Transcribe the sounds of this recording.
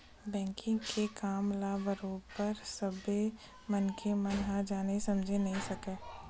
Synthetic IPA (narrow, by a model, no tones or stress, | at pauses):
bɛ̃ːŋkʰɪ̃ŋɡkʰekaːmlaːbəɾoːpɐɾsɐbe | mɐnkʰemɐnɦãd͡ʒaːnesɐmd͡ʒʱenɐɦĩsɐkeː